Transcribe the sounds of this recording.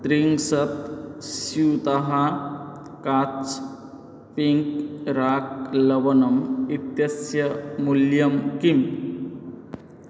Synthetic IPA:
t̪ɾiŋɡsɐt̪ɕit̪aɦa | kat͡s | piŋkɾaːk̚lɐʋɐnɐmit̪jɐsjɐmuljɐmkiŋ

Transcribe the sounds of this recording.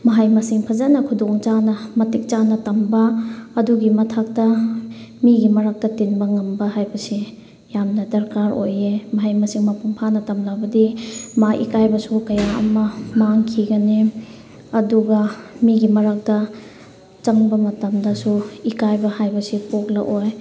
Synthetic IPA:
mɐɦajmɐsiŋpʰɐzanɐkʰudoŋt͡ʃanɐmɐtik̚t͡ʃanɐtɐmbɐːduɡimɐtʰak̚tɐ | miɡimɐɾak̚tɐtinbɐŋɐmbɐɦajbɐsi | jamnɐdɐɾkaɾojemɐɦajmɐsiŋmɐpuŋpʰanɐtɐmlabɐdimaʔḭkajbɐsukɐjaɐ̰mɐmaŋkʰiɡɐne | ɐduɡɐmiɡimɐɾak̚tɐ | t͡ʃɐŋbɐmɐtɐmdɐsuikajbɐhajbɐsipok̚lɐ̰ʔoj

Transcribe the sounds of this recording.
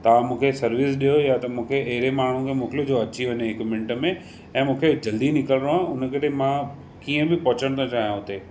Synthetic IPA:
t̪ɐʋ̤ãmũːkʰesɐɾʋisɗijojat̪ɐmũːkʰeʔɐɦɪɾemaːɳ̤ũkʰemʊːklod͡ʑoɐt͡ɕiʋəneɪkmẽɳʈə̆mẽ | ɛ̃ːmũːkʰed͡ʑɐld̪inɪkəlɾoãʊnə̆kɐɾemã | kiːə̃bɪpɔɦt͡ɕəɽ̃t̪ʰõt͡ɕaːɦijãɦʊt̪e

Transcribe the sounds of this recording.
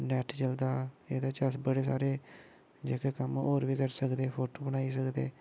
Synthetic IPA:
nɛːʈt͡ʃəld̪aːeːd̪aːt͡ʃəsbəɽeːsa̰ːɾeː | d͡ʒeːkeːkəmoːɾʋiːkəɾsəkd̪eːpʰoːʈoːbəñaːiːsəkd̪ḛː

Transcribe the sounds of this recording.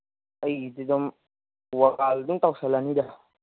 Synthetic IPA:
it̪id̪ɔm | uwakald̪uŋt̪ausalanida

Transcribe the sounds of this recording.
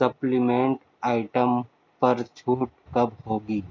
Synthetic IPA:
sɐplɪmẽːɳʈ | aːɪʈəm | pɐɾt͡ʃʰuːʈkɐbɦoːɡiː

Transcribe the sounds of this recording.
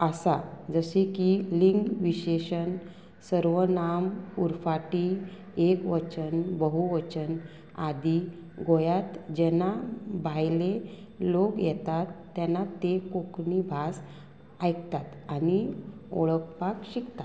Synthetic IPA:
əsad͡zəɕekiliŋɡʋiɕeɕən | səɾʋənamuɾfaʈi | ekʋət͡ɕənbəɦuʋət͡ɕən | ad̪i | ɡojat̪d͡ʑɛnabʱajle | lokjɛt̪at̪ːjanːat̪ekoknibʱas | ajkt̪at̪anio̰ɭəkpakɕikt̪at̪

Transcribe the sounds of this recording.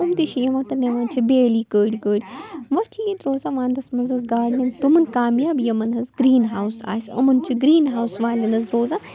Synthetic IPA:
umt̪iʃijɐʋãːt̪ɐneʋaːnt͡ʃʰibeːliːkəːɽʲikəːɽʲiʋɐt͡ʃʰijit̪ɾoːzaːʋãːnd̪ɐsmɐnzɐzɡaːɽnʲɐnt̪umɐnkaːmjaːbjɐmɐnɦɐzɡɾiːnɦaːwsa̰ːsɐ̰mɐnt͡ʃʰiɡɾiːnɦaːwsʋaːlʲinɐzɾoːzaː

